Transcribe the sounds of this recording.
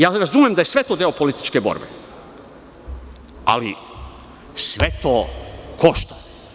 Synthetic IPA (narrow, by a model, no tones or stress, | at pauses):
jaːɾazumjemd̪ajesʋe̞t̪oːd̪eo̞po̞lit̪i̥t͡ʃkebo̰ɾbḛ | a̰lḭ | sʋet̪oːkʰoʃt̪ḁ